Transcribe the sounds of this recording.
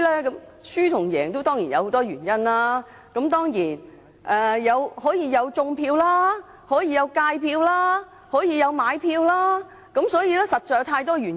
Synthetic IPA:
lɛː˥kɐ˨˧˥m | syː˥t̪ʰʊ˨˩ŋjɛː˨˩ŋt̪o˥wt̪ɔː˥ŋji˨˩njɐ˨˧who˨˧wt̪ɔː˥jyː˨˩njɐ˥nlaː˥ | kɐ˨˥mt̪ɔː˥ŋjiː˨˩n | ʔɛː˧˩jɐ˨˧whɔː˨˥jiː˧jɐ˨˧wt͡sʊ˧ŋpʰiː˧wlaː˥ | hɔː˨˥jiː˧jɐ˨˧wkaː˧jpʰiː˧wlaː˥ | hɔː˨˥jiː˨˧jɐ˨˧wmaː˨˧jpʰiː˧wlaː˥ | kɐ˨˧˥msɔː˨˥jiː˨˧lɛː˥sɐ˨t̚ːɔː˨˩˧t̪ʰaː˧jt̪ɔː˥yː˨˩

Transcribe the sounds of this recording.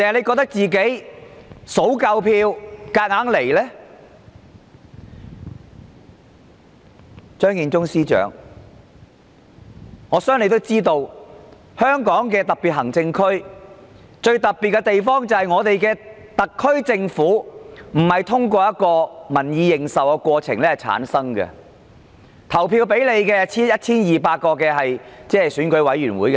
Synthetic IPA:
t̪aː˨˩hɐ˨le˨˧jkɔː˧k̚t̪ɐ˥k̚t͡siː˨ke˨˥j | so˨˥wkɐ˧wpʰiː˧wkaː˧k̚ŋaː˨˥ŋle˨˩jlɛː˥ | t͡ʃœː˥ŋjiː˧nt͡sʊ˥ŋsiː˥t͡ʃœ̰ː˨˥ŋ | ŋɔː˨˧sœː˥ŋne˧t̪o˥wt͡siː˥t̪o˧w | hœː˥ŋkɔː˨˥ŋkɛː˧t̪ɐ˨k̚piː˨t̚hɦɐ˨˩ŋt͡sɪ˧ŋkʰɵ˥ɥ | t͡ʃɵ˧ɥt̪ɐ˨k̚pi˨t̚kɛ˧t̪e˨jfɔː˥ŋt͡sɐ˨˩hɐ˨jŋɔː˨˧t̪e˨jkɛː˧ | t̪ɐ˨˩kʰːɵ˥ɥt͡sɪ˧ŋfuː˨˥m̩˨˩hɐ˨jt̪ʰʊ˥ŋkʷɔː˧jɐ˥t̚kɔː˧mɐ˨˩njiː˨˧jɪ˨ŋsɐ˨wkɛ˧kʷɔː˧t͡sʰɪ˨˩ŋlɛː˥hɐ˨˩jt͡sʰa̰ː˨˥nsɐ˥ŋɡɛ̰˧ | t̪ʰɐ˨˩wpʰiː˧wpe˨˥jle˨˧jkɛː˧t͡sʰiː˥jɐ˥t̚t͡sʰiː˥njiː˨paː˧t̚kɔː˧kɛː˧ɦɐ˨jt͡sɛː˥˨jsyː˨˥nkɵ˨˥ɥwɐ˨˥jɥyː˨˩nwuː˨˥jkɛ˧

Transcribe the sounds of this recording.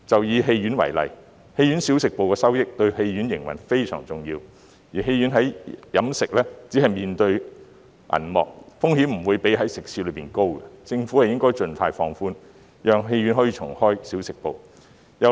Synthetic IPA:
t͡sɐ˨wjiː˨˧ɦe˧jɥyː˨˥nwɐ̰˨˩jlɐ̰˨j | he˧jɥyː˨˥nsi˨˥wsɪ˨k̚po˨wkɛː˧sɐ˥wjɪ˥k̚t̪ɵ˧ɥhe˧jɥyː˨˥njɪ˨˩ŋwɐ̰˨˩nfe˥jsœː˨˩ŋt͡sʊ˨ŋjiː˧w | jiː˨˩ɦe˧jɥy˨˥nɦɐ˨˥jjɐ˨˥msɪ˨k̚lɛː˥t͡si˨˥hɐ˨jmiː˨˩nt̪ɵ˧ɥ | ʔɐ̰˨˩nmɔ̰ː˨k̚fʊ˥ŋhiː˨˥mm̩˨˩wu˨˧jpe˨˥jɦɐ˨˥jsɪ˨k̚siː˧lɵ˨˧ɥpiː˨nko˥wkɛ˧t͡sɪ˧ŋfu˨˥ɐ˨jɪ˥ŋkɔː˥jt͡ʃɵ˧nfaː˧jfɔː˧ŋfuː˥n | jœː˨ŋɦe˧jɥyː˨˥nɦɔ˨˥jiː˧t͡ʃʰʊ̰˨˩ŋhɔː˥jsiː˨˥wsɪ˨k̚po˨w | jɐ˨˧

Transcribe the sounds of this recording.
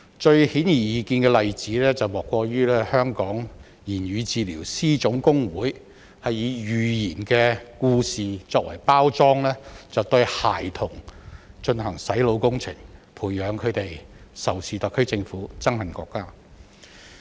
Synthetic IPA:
t͡ʃɵ˧ɥhiː˨˥njiː˨˩jiː˨˧kiː˧nkɛ˧lɐ˨jt͡siː˨˥lɛː˥t͡sɐ˨wmɔː˨kːʷɔː˧jyː˥lɛː˥hœː˥ŋkɔː˨˥ŋ | jiː˨˩nɥyː˨˧t͡siː˨˧lḭː˨˩wsiː˥t͡sʊ˨˥ŋkʊ˥ŋwuː˨˥j | hɐ˨jːiː˨˧jyː˨jiː˨˩nkɛː˧kuː˧siː˨t͡sɔː˧k̚wɐ̰˨˩jpaː˥wt͡sɔː˥ŋlɛː˥t͡sɐ˨wt̪ɵ˧ɥha̰ː˨˩jt̪ʰʊ˨˩ŋt͡ʃɵ˧nɦɐ˨˩ŋsɐ˨˥jlo˨˧wkʊ˥ŋt͡sʰɪ̰˨˩ŋpʰuː˨˩jːœː˨˧ŋkʰɵ˨˧ɥt̪e˨jsɐ˨˩wsʰiː˨˧t̪ɐ˨kʰːɵ˥ɥt͡sɪ˧ŋfuː˨˥t͡sɐ˥ŋhɐ˨nkɔ̰ː˧kːaː˥

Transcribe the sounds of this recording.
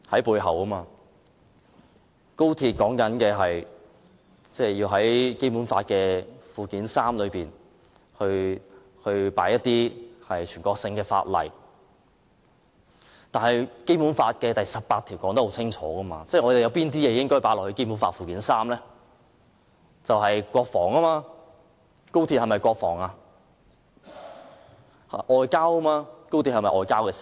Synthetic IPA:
hɐ˨˥jpuː˧jɦɐ˨˩wkɐ˥maː˧ | ko˥wt̪ʰiː˧t̚kɔː˨˥ŋkɐ˨˥nkɛː˧ɦɐ˨j | t͡sɛː˥˩jiː˧wɦɐ˨˥jke˥jpu˨˥nfa̰ː˧t̚kɛː˧fuː˨kiː˨˥nsaː˥mlɵ˨˧ɥpiː˨˩n | hɵ˧ɥ | hɵ˧ɥpa̰ː˨˥jɐ˥t̪iː˥hɐ˨jt͡ʃʰyː˨˩nkʷɔː˧k̚sɪ˧ŋkɛː˧fa̰ː˧t̚lɐ̰˨j | t̪aː˨nhɐ˨˩jke˥jpuː˨˥nfaː˧t̚kɛ˧t̪ɐ˨jsɐ˨p̚paː˧t̪ʰi˨˩wkɔː˨˥ŋt̪̚ho˧˥wt͡sʰɪ˥ŋt͡ʃʰɔ̰ː˨˥ɣɐ˥ma̰ː˧t͡sɛ˥˩ŋɔː˨˧d̪e˨jɐ˨˧wpiː˥nt̪iː˥jɛː˨˧jɪ˥ŋkɔː˥˩paː˨˥lɔː˨˩hɵ˧ke˥jpu˨˥nfaː˧t̚fuː˨kiː˨˥nsaː˥mlɛː˥ | t͡sɐ˨wɦɐ˨jkʷɔː˧k̚fɔː˨˩ŋɐ˥maː˧ | ko˥wt̪ʰi˧p̚hɐ˨jmɐ˨jkʷɔː˧k̚fɔ̰ː˨˩ŋaː˧ | ɐ̰˨ʔɔː˨jkaː˥wkɐ˥maː˧ko˥wt̪ʰi˧hɐ˨˩mɐ˨˩ʔɔː˨jkaː˥wkɛː˧si̥˨

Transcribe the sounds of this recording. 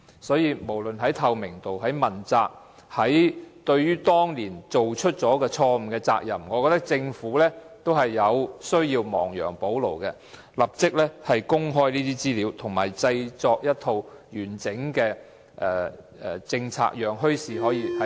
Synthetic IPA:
sɔː˨˥jiː˨˧mo˨˩wlɵ˨nɦɐ˨˥jt̪ʰɐ˨˧wmɪ˨˩ŋt̪o˨wɦɐ˨˥jmɐ˨˩nt͡saː˧k̚ | hɐ˨˥jt̪ɵ˧ɥɥyː˥t̪ɔː˥ŋliː˨˩nt͡so˨wt͡ʃʰɵ˥t̚t͡sɔː˨˥kɛː˧t͡ʃʰɔː˧m̩˨˩kɛː˧t͡sa̰ː˧k̚jɐ˨˩mŋɔː˨˧kɔː˧t̪ɐ˥k̚t͡sɪ˧ŋfuː˨˥lɛː˥t̪o˥wɦɐ˨˩jːɐ˨˧wsɵ˥ɥjiː˧wmɔ̰ː˨˩ŋjœ̰ː˨˩ŋpo˨˥wlo̰˨˩wkɛ˧ | lɐ˨˩p̚t͡sɪ˥k̚lɛː˥hɐ˨jkʊ˥ŋɦɔː˥jniː˥t̪iː˥t͡siː˥liː˨˧wt̪ʰʊ˨˩ŋma̰ː˨˩jt͡sɐ˧jt͡sɔː˧k̚jɐ˥t̪̚ʰo˧wjyː˨˩nt͡sɪ˨˥ŋkɛː˧ | ʔɛ˨ | ɛ˨˩t͡sɪ˧ŋt͡sʰa̰ː˧k̚jœː˨ŋɦɵ˥ɥsiː˨˩ɦɔː˨˥jiː˨˧hɐ˨˦

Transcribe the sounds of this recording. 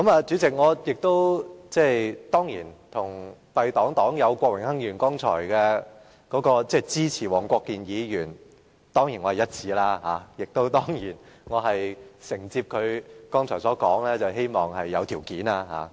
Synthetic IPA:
kɐ˨˧˥maː˨˧t͡ʃyː˨˥t͡sɪ˨k̚ŋɔː˨˧jɪ˨k̚t̪o˥wt͡sɛː˥˩jt̪ɔː˥ŋjiː˨˩nt̪ʰʊ˨˩ŋpɐ˨jt̪ɔː˨˥ŋt̪ɔː˨˥ŋjɐ˨˧wkʷɔː˧k̚wɪ˨˩ŋhɐ˥ŋjyː˨˩nkɔː˥ŋt͡ʃʰɔ̰ː˨˩jkɛː˧ | kɔː˨˥kɔː˧t͡sɛː˥˩t͡siː˥t͡sʰiː˨˩wɔː˨˩ŋkʷɔː˧kːiː˨njiː˨˧jyː˨˩n | t̪ɔː˥ŋjiː˨˩nɔ˨˧hɐ˨˩jɐ˥t̚t͡sʰiː˨˥laː˥ɦa̰ː˨˧jɪ˨k̚t̪o˥wt̪ɔː˥ŋjiː˨˩nŋɔː˨˧ɦɐ˨jsɪ˨˩ŋt͡siː˧p̚kʰɵ˨˧ɥkɔː˥ŋt͡ʃʰɔː˨˩jsɔː˨˥kɔː˨˥ŋlɛː˥t͡sɐ˨˩wɦe˥jmɔː˨˩ŋɦɐ˨jːɐ˨˧wt̪ʰiː˨˩wkiː˨˥naː˧ɦa̰ː˨˧

